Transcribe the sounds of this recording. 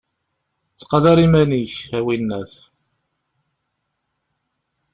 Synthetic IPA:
t͡sːqɑðɑɾimæniçæwinːæθ

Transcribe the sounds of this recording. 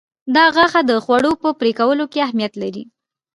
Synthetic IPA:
d̪ɑɣaxad̪əxwaɽopəpɾekawəlokeahmijat̪laɾḭ

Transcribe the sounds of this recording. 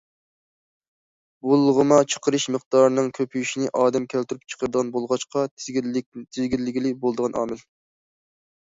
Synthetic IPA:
bulˠːʁəmɑt͡ʃʰə̥qəɾɨʃmɨqd̪ɑɾɨnɨŋkʲʰøpʰyjyʃinɪʔɑːd̪ɛmkʲʰælt̪yɾyp̚t͡ʃʰə̥qəɾɨd̪əʁɑnbolˠʁɑʃqɑ | t̪ʰɪzɡʲilːɪɡʲilɪbolˠd̪əʁɑnʔɑ̰ːmɪl

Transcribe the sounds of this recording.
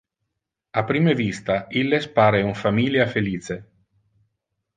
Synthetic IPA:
apːɾiːmevist̪ailːespaːɾeuɱfamiljafeliːt͡ʃe

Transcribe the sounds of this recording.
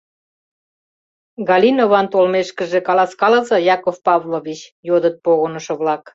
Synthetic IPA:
ɣɑlʲinoβɑnt̪olmeʃkə̆ʒĕkɑlɑskɑlɤzɤ̆jɑkofpɑvloβit͡ɕjod̪ət̪̚poɣonəʃɤ̆βlɑk

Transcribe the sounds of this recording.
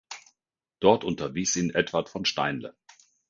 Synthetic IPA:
d̥ɔɐtʔʊntɐviːsiːnʔɛtv̥atfɔnʃta̰ɪnlə̰

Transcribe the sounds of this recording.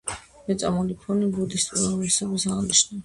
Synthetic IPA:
mɛt̪sʼamulipʰɔnibud̪ist̪ʼuɾanɛsɛbisaʁniʃna

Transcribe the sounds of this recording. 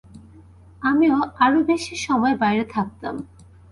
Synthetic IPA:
amioaɾobeʃiʃɔmɔebajɾet̪ʰak̚t̪a̰m

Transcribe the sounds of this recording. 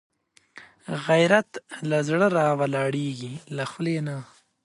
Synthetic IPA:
ɣajɾat̪lazɽəɾɑwalɑːɽeɡilaxlena

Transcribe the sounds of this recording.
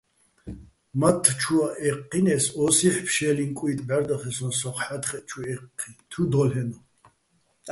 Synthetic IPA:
mat̪ʰːt͡ʃʰuaʔɛqʰːinɛsɔsiħpʰʃɛliŋkʼuit̪ʼbɛɾd̪aχɛsɔnsɔqħat̪χɛt͡ʃʰuɛqʰːit̪ʰud̪ɔlhɛnɔ

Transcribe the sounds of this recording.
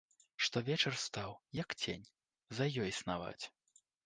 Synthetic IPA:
ʂt̪ɔvʲɛt͡ʂɐrst̪awjɐkt͡sʲḛnʲ | zɐjɔjsnava̰t͡sʲ

